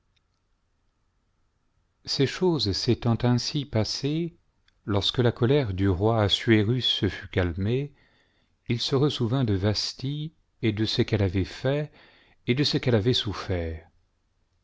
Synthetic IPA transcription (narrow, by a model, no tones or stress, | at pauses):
sɛʃozset̪ɑ̃t̪ɛ̃sipase | lɔʁskəlakɔlɛʁd̪yʁwaːsɥeʁysːəfykalme | ilsəʁəsuvɛ̃d̪əvast̪i | ed̪əsəkɛlavɛfɛ | ed̪əsəkɛlavɛsufɛːʁ